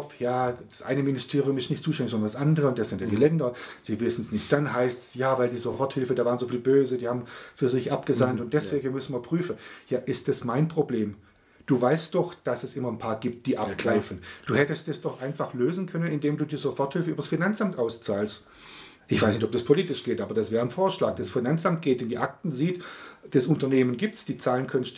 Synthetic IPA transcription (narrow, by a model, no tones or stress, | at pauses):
fjaːd̥asʔa̰ɪnəmɪnɪstʰeːʁijʊmɪstnɪçtt͡suːʃtɛndɪçzɔndɐndasʔandəʁəʊntd̥asz̥ɪntjandiːlɛndɐz̥iːvɪsn̩snɪçt̚d̥anɦaɪstsjaːvaɪldiːzofɔɐthɪlfəndaːvaːʁnzoːfiːlbøːzədiːhaːbmfyːɐzɪçʔap̚ɡ̥əzantʊnt̚d̥ɛsv̥eːɡn̩mʏsn̩viːɐpʁ̥yːfən̩jaːʔɪstd̥asmaɪnpʁ̥obleːm | d̥uːvaɪst̚d̥ɔχd̥asɛsɪmɐnpʰaːɐɡiːp̚t̚d̥iːʔaɡ̥ʁaɪfn̩d̥uːhɛtəstdɛsd̥ɔχʔaɪnfaχløːzn̩kʰœnənɪndeːmduːdiːzofɔɐthɪlfəʔyːbɐsfinant͡samtʔaʊst͡saːlst | ʔɪçv̥aɪsnɪçtɔp̚d̥aspʰoliːtɪʃɡ̥eːtʔaːbɐd̥asv̥ɛːʁ̞ənfoːɐʃla̰ːk̚d̥asfinant͡sʔamt̚ɡ̥eːtɪndiːʔak̚tn̩ziːtd̥asʊntɐneːmənɡiːp̚tsd̥iːt͡saːlənkʰœnst